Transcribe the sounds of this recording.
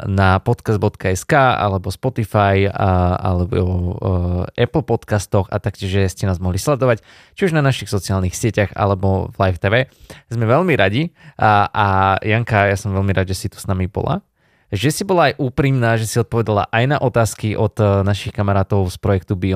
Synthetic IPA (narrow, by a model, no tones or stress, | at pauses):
napɔt̪kazd̪̚bɔt̪kaɛskaːa̰lɛbɔspɔt̪ifaja̰lɛbɔ | ʔɛpl̩ˠpɔt̪kast̪ɔxa̰t̪ak̚cʲɪɛʒʒɛscɛnaːzmɔɦlislɛd̪ɔʋac | t͡ʃiuʒnanaʃixsɔt͡siaːlnixsɪɛcaɣa̰lɛbɔvlajft̪ɛʋɛːzmɛʋɛlmiɾaɟiʔajaŋkajasɔmʋɛlmiɾad̪ʒɛsit̪u̥snamibɔ̰la̰ | ʒɛsibɔlaajʔuːpɾimnaːʒɛsizɔt̪̚pɔʋɛd̪ala̰ʔajnaʔɔt̪aːskiʔɔd̪naʃixkamaɾaːt̪ɔʊspɾɔjɛkt̪ubiɔ